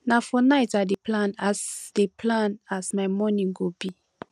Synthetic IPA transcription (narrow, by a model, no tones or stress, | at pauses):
nafɔnaɪtadeplãnasd̥epʰlãnasmaɪmɔnĩŋɡobi